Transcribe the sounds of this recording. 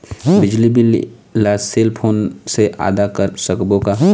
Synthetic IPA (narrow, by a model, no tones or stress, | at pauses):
bɪd͡ʒlibɪl | laːseːlpʰoːnseʔa̰ːd̪akəɾsəkbõka